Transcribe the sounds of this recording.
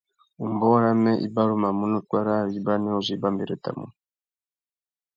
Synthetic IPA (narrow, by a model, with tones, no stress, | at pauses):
u˨mbɔ˦ɾa˦mɛ˦ʔḭ˦ba˦ɾu˦ma˨mu˦nɔ˦kwa˦ɾa˦˨ɾi˦ba˦nɛ˦u˨zi˨˦ba˦mbi˨ɾɔ˦˨ta̰˨mṵ˦